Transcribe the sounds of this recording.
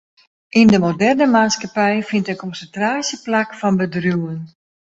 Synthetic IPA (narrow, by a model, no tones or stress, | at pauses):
ʔindəmodɛrnəmaːskapɛjfintənkɔnsəntraːsjəplakfɔnbədrjuwən